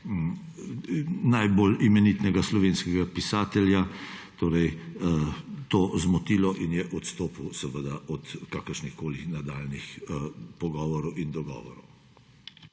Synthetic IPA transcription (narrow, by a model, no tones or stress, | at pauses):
najbolimɛnit̪nɛɡaslɔʋenskɛɡapisaːt̪ɛljat̪oːɾɛj | t̪oːzmɔt̪iːlɔʔinjɛʔɔt̪st̪oːpuwsɛʋəd̪aʔɔt̪kaːkəɾʃnixkoːlixnad̪aːlnixpɔɡɔːʋɔɾɔwʔind̪ɔɡɔ̰ːʋɔ̰ɾɔ̰w